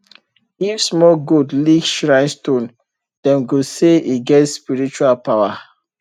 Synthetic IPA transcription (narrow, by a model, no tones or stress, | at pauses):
ifsmɔɡudliɡʃɹãɪ̃nstõn | d̥ɛ̃nɡoseiɡɛtspiɹit͡ʃualpawa